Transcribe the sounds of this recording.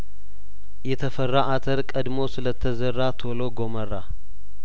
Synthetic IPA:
jɛt̪ʰəfərːaʔat̪ʰəɾkʼəd̪mo̞sɨlət̪ʰːəzərːat̪ʰo̞loɡo̞mərːa

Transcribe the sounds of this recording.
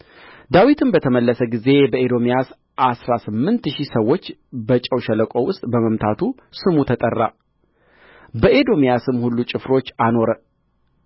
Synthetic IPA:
d̪awit̪ʰɨnbət̪ʰəməlːəsəɡize̞bəʔed̪o̞mijas | ʔasɾasɨmːɨnt̪ʃisəwːo̞t͡ʃːbət͡ʃʼəwʃələkʼo̞wʊst̪ʼbəməmt̪ʰat̪ʰu | sɨmut̪ʰət̪ʼərːa | bəʔed̪o̞mijasɨmhulːut͡ʃʼɪfɾo̞t͡ʃːano̞ɾə

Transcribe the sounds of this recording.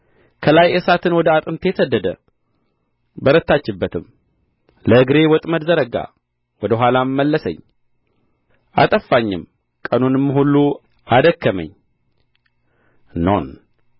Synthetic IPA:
kʰəlajesat̪ʰɨnwɔd̪əat̪ʼɨmt̪ʰe̞səd̪ːəd̪ə̰ | bəɾət̪ːat͡ʃːɪbːət̪ʰɨm | ləɨɡɾe̞wɔt̪ʼməd̪zəɾəɡa̰ | wɔd̪əɦʷalammːəlːəsə̰ɲː | ʔa̰t̪ʼəfːaɲːɪ̰m | kʼənunɨmːɨɦulːu | ʔad̪əkːəmə̰ɲː | no̰n

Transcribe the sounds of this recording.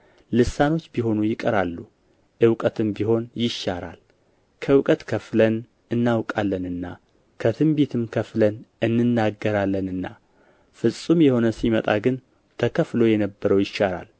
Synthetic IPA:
lɨsano̞t͡ʃːbiɦo̞nujɪkʼəɾalːu | ʔɨwkʼət̪ʰɨmbiɦo̞njɪʃːaɾa̰l | kʰəɨwkʼət̪kʰəflən | ɨnːawkʼalːənɨnːa | kʰət̪ʰɨmbet̪ʰɨmkʰəflənɨnːɨnːaɡːəɾalːənɨnːa̰ | fɨsʼːumjɛho̞nəsimət̪ʼaɡɨn | t̪ʰəkʰəflo̞jɛnəbːəɾəwjɪʃːaɾa̰l

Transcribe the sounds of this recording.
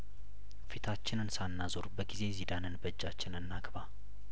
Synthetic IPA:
fit̪ʰat͡ʃːɪnɨnsanːazoɾbəɡize̞zid̪anɨnbəd͡ʒːat͡ʃːɪnɨnːaɡba

